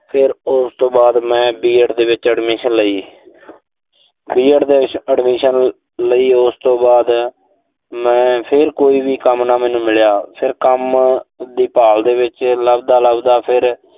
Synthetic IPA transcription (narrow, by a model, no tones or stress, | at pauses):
pʰɪɾʊst̪õːbaːd̪mɛ̃ːbiːəʈd̪eːʋɪt͡ʃəɖmiːʃənləiː | biːəʈd̪eːəɖmiːʃən | ləiːʊst̪õːbaːd̪ | mɛ̃ːpʰɪɾkoːiːbiːkəmnaːmɛːnũːmɪljaːpʰɪɾkəmd̪iːpaːld̪eːʋɪt͡ʃləbd̪aːləbd̪aːpʰɪɾ